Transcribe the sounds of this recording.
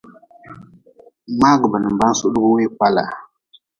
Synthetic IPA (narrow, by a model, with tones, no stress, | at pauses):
ma˦ɡə˨ba˨nə˨m˨ba˦su˦ɗu˦bu˦we˦k͡pa˦la̰˨